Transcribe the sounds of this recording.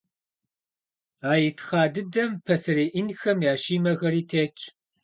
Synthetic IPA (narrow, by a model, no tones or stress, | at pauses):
aːjɪtʰχɑːdɨdɐmpʰɐsɨreːʔinxɐmjaːʃiːmɐɣɐɾiːtʰeːt͡ʃʼ